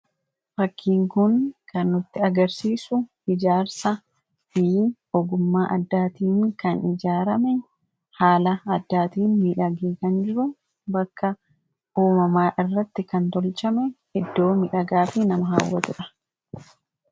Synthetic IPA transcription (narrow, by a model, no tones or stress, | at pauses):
fɐkːiːŋkʊnkɐnːʊt̪ːɪɐɡɐɾsiːsʊ | ɪd͡ʒaːɾsɐ | fi | ɔɡʊmːaːʔɐd̪ːaːt̪iːŋkɐnɪd͡ʒaːɾɐmɛ | haːlɐɐd̪ːaːt̪iːnmiːᶑɐɡeːkɐnd͡ʒɪɾʊ | bɐkːɐ | ʔuːmɐmaːʔɪrːɐt̪ːɪkɐnt̪ɔlt͡ʃɐmɛhɛd̪ːo̞ːmɪᶑɐɡaːfɪnɐmɐɦaːwːɐt̪ʊᶑɐ̥